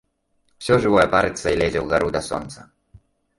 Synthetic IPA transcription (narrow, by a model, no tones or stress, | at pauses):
fsʲɔʐɨvɔjɛpaɾɨt̪ʲsɐilʲɛzʲɛwɣaɾud̪ɐsɔ̰nt̪sɐ